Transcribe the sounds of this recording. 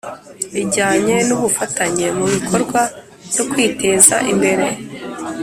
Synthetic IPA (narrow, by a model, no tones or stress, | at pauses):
iɟaːɲe̞nuβufataɲe̞muβikʰo̞ɾɡwa | vzokwiːte̞ːza̰ʔimbe̞ɾe̞